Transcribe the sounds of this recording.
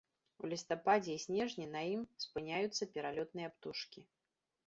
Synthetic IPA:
ṵlʲist̪apad͡zʲɛisʲnʲɛʐnʲinɐjimspɨnʲajut̪sːɐpʲɛɾalʲɔt̪̚nɨjɐapt̪uʂkʲi

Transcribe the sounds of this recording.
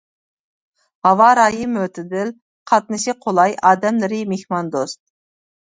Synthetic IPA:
hɑwɑɾɑːjimøt̪ʰɪd̪ɪl | qʰɑt̪̚nɨʃiqʰolˠɑjʔɑːd̪ɛmlɪɾɪmehmɑnd̪ost̪̚

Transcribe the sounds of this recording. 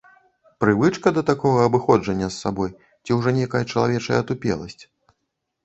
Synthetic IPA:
pɾɨvɨt͡ʂkɐd̪ɐt̪akɔɣɐɐbɨxɔd͡ʐɐnʲːɐsːa̰bɔj | t͡sʲiwʐɔnʲejkɐjɐt͡ʂɐlˠavʲɛt͡ʂɐjɐ̰ːt̪upʲɛ̰lˠɐ̰sʲt͡sʲ

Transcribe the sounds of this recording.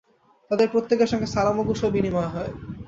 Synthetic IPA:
t̪ad̪eɾpɾot̪ːekeʃɔŋɡesalamoɡuʃobinimaaɦɔe

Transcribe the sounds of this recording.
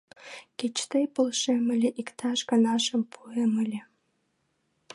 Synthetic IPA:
kʲet͡ɕt̪ejpŏlˠʃemɘ̆lʲeʔikt̪ʰɑʃkɑnɑʃɤ̆mpʰuemɘ̆lʲĕ

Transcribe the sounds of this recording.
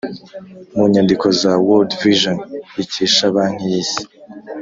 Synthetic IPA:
muɲandiko̞zawoldviʒoniciʃaβaːn̥ijiːsi̥

